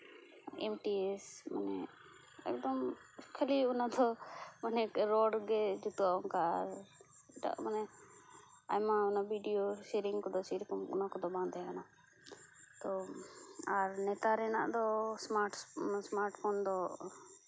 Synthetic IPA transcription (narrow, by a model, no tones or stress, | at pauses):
ɛmʈiesma̰nɛ | ɛ̰k̚d̪ɔm | kʰəliɔnad̪ɔmanɛɾɔɖɡɛd͡ʒut̪uaɔŋkaːɾ | ɛʈa̰ʔmanɛ | a̰jmaɔnabʱiɖijoʃɛɾiŋɡkɔd̪ɔsɛɾikɔmɔ̰nakɔd̪ɔbãnd̪ɛjakana | t̪ɔ | aɾnɛt̪aɾɛna̰ʔd̪ɔsmaɾʈsmaɾʈpʰond̪ɔ